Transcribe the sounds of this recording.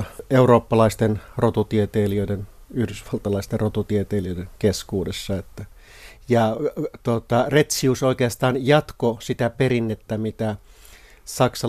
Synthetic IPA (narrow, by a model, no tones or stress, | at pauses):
euɾoːpːɑlɑist̪enrot̪ut̪iet̪eːliøidenyhdysʋɑlt̪ɑlɑist̪errot̪ut̪iet̪eːliøˑideŋkeskuːdesːɑet̪ːæ | jɑt̪uot̪ɑret̪siusoikeɑst̪ɑːnjɑt̪kosit̪æpeɾinːet̪ːæmit̪æ | sɑksɑ